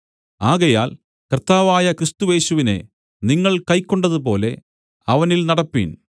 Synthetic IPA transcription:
aːɣɐjaːl | kɐrt̪ːaːʋaːjɐkɾist̪ue̞ːɕuʋine̞̰ | niŋːɐɭkɐjkːo̞ɳɖɐðup̬o̞ːle̞ | ɐʋɐnilnɐɽɐpːḭn

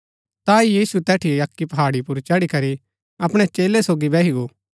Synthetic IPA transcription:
t̪aːijiːsut̪ɛːʈʰɪjeɐkːipɐɦaːɽipʊɾt͡ʃɐɽikɐɾi | ɐpɽ̃et͡ʃeːlesoːɡibɛːɦiɡoː

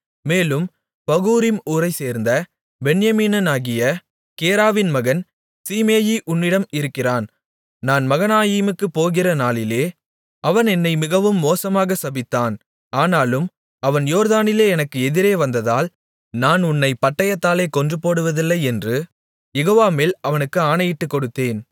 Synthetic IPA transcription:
meːlɯm | pɐɣuːɾɪmuːɾɐɪseːɾnd̪ɐ | bɛɳjɐmiːnɐnaːɣɪjɐ | keːɾaːʋɪnmɐɣɐn | siːmeːjiʔʊnːɪɽɐmɪɾɯkːɪraːn | naːnmɐɣɐnaːjiːmɯkːɯpoːɣɪrɐnaːlɪleː | ʔɐʋɐnɛnːɐɪmɪɣɐʋɯmːoːsɐmaːɣɐsɐbɪt̪ːaːn | aːnaːlɯm | ɐʋɐnjoːɾðaːnɪleːɛnɐkːɯɛðɪɾeːʋɐnd̪ɐðaːl | naːnʊnːɐɪpɐʈːɐjɐt̪ːaːleːkɔndrɯpoːɽɯʋɐðɪlːɐɪɛndrɯ | jɛɣoːʋaːmeːlɐʋɐnɯkːɯaːnɐjɪʈːɯkːɔɽɯt̪ːeːn

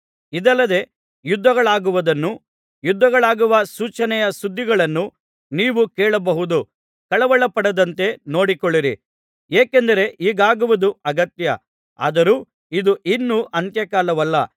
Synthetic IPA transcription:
id̪ɐlːɐd̪e̞ | jud̪ːɐɡɐɭaːɡuʋud̪ɐnːu | jud̪ʱːɐɡɐɭaːɡuʋɐsuːt͡ʃɐnɛjɐsud̪ːiɡɐɭɐnːu | niːʋukeːɭɐbɐɦud̪u | kɐɭɐʋɐɭɐpɐɽɐd̪ɐnt̪e̞no̞ːɽikɔɭːiɾḭ | eːkend̪ɐɾe̞ʔiːɡaːɡuʋud̪uɐɡɐt̪jɐ | a̰ːd̪ɐɾuː | id̪uʔinːuʔɐnt̪jɐkaːlɐʋɐlːɐ

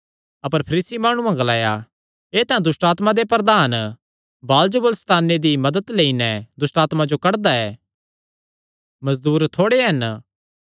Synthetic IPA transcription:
ɐpəɾpʰɐɾiːsimaːɽ̃ũãɡɐlaːja | eːt̪ɐ̃ɛ̃d̪ʊsʈaːt̪mad̪epɾɐd̪aːn | baːld͡ʒəbəlst̪aːnːed̪imɐd̪əd̪leːinɛd̪ʊsʈaːt̪mad͡ʒokɐɽd̪aɛ̰ː | mɐzd̪uːɾt̪ʰoːɽeɦɐn

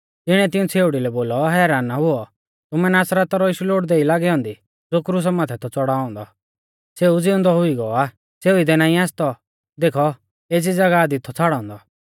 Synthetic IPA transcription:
t̪ɪɽ̃ɛt̪ɪũt͡sʰeːʊɽilɛboːlɔɦɛːɾaːnːaɦʊɔ | t̪ʊmɛnaːsɾat̪ɔɾɔɪʃuloːʈd̪eːilaːɡɛɔ̃ːnd̪i | d͡zoːkɾuːs̬amaːt̪ʰɛt̪ʰɔt͡sɔɽaːɔ̃ːnd̪ɔ | seud͡zɪʊ̃nd̪ɔɦʊiɡɔɔaː | t͡sʰeːʊid̪ɛnaːĩaːst̪ɔ | d̪eːkʰɔ | eːd͡zid͡zɐɡad̪it̪ʰːɔt͡sʰaːɽɔ̃ːnd̪ɔ

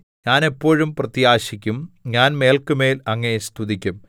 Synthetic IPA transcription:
ɲaːne̞pːo̞ːɻumprɐt̪jaːɕikʲːumɲaːnme̞ːlkɨme̞ːlɐŋːɐest̪ʰuðikʲːum

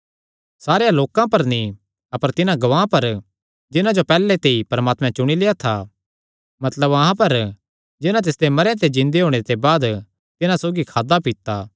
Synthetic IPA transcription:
saːɾjãloːkãpɐɾni | ɐpəɾt̪ɪnãɡɐʋãːpɐɾ | d͡ʒɪnãd͡ʒopɛːlet̪eːipɐɾmaːt̪mɛ̃t͡ʃʊɽ̃ileːat̪ʰa̰ | mɐt̪ləbɐɦãpɐɾ | d͡ʒɪnãt̪ɪsd̪emɐɾjãt̪ed͡ʒɪ̃nd̪eɦoːɽ̃et̪ebaːd̪ | t̪ɪnãsoːɡikʰaːd̪apit̪ːa

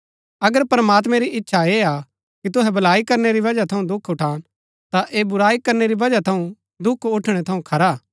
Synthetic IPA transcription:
ɐɡəɾpɾɐmaːt̪̬mɛ̃ɾiʔɪtːʃʰaeːa | kit̪̬ʊɦɛbɐlaːikɐɾneɾiʋɐd͡ʒat̪ʰɐũd̪ʊkʰːʊʈʰãː | t̪aʔeːbʊɾaːikɐɾneɾiʋɐd͡ʒat̪ʰɐũ | d̪ʊkʰʊʈʰɽ̃ɛt̪ʰɐũkʰɐɾaː

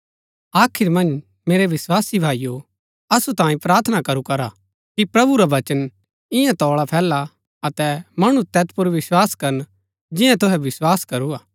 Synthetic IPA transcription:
aːkʰɪɾmɐ̃nd͡ʒ | meːɾeʋɪswaːsibʱaːijo | ɐsut̪ãːĩpɾaːɾt̪ʰnakɐɾukɐɾa | kipɾɐbuɾaʋɐt͡ʃən | ɪ̃jãt̪ɔːɭapʰɛːlːa | ɐt̪ɛmɐɽ̃ut̪ɛːt̪pʊɾʋɪswaːskɐɾən | d͡ʒɪjãt̪ʊɦɛʋɪswaːskɐɾuaː

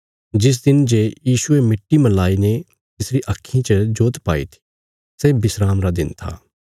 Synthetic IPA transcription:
d͡ʒɪs̬d̪ɪnd͡ʒejiːsʊemɪʈːimɐlaːine | t̪ɪsɾiʔɐkʰːjĩt͡ʃəd͡ʒoːt̪pa̰ːḭt̪ʰi̥ | sɛːbɪsɾaːmɾad̪ɪnt̪ʰa̰ː

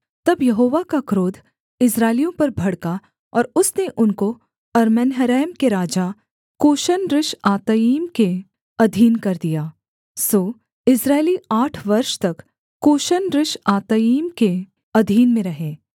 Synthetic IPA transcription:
t̪ɐbjɐɦoːʋakakɾoːd̪ʱ | ɪsɾaːɪlijõpɐɾbʱɐɽka | ɔːɾʊsneʔʊnko | ɐɾmɛnɦəɾɛːmkeɾaːd͡ʒa | kːoːʃənɾɪʃaːt̪əiːmke | ɐd̪ʱiːnkɐɾd̪ijaː | soː | ɪsɾaːɪliaːʈʰʋɐɾʃt̪ɐkː | oːʃənɾɪʃaːt̪əiːmke | ɐd̪ʱiːnmẽɾɐɦeː

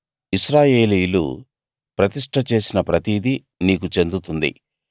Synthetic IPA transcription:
iʃɾaːje̞ːlijulṵ | pɾɐt̪iʂʈʰɐt͡ʃe̞ːsinɐpɾɐt̪iːd̪i | niːkut͡ʃe̞nd̪ut̪und̪ḭ

